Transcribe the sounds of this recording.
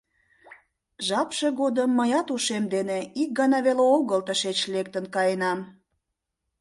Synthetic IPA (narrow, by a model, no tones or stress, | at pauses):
ʒɑpʃeɣod̪əmːəjɑt̪uʃemd̪eneik̚ɡɑnɑβeleoɣəlt̪əʃet͡ɕlek̚t̪ənkɑjenɑm